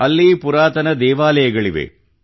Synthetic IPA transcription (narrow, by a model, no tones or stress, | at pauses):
ɐlːipuɾaːt̪ɐnɐd̪ɛːʋaːlɐjɐɡɐɭiʋḛ